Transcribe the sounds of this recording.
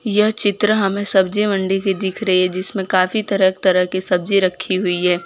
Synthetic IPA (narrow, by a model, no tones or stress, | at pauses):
jɐɦt͡ʃɪt̪ɾəɦɐmẽsɐbd͡ʒimɐ̃ɳɖikid̪ɪkʰɾɐɦiɦɛd͡ʒɪsmẽkaːfit̪ɐɾəkt̪ɐɾəɦkisɐb̚d͡ʒiɾɐkʰːiɦʊiɦɛː